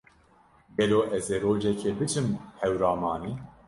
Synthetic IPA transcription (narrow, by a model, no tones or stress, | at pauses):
ɡɛloːʔɛzeːɾoːd͡ʒɛkʰeːbɨt͡ʃʰɨmhɛwɾɑːmɑːniː